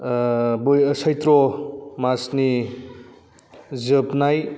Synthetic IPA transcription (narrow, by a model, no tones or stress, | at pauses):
bɯjəsajt̪ɾɔmasni | zɯpnaj